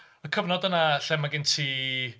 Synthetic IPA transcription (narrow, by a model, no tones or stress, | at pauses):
əkʰəvnɔdənaɬɛmaɡɪntʰiː